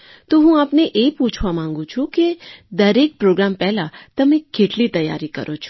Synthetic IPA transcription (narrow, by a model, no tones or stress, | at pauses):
t̪oɦũapneʔepũt͡ʃʰʋamãŋɡũt͡ʃʰũked̪əɾek̚pɾoɡɾampɛɦlat̪əmẽkʰeʈlit̪əjːa̰ɾikə̰ɾʔot͡ʃʰo̥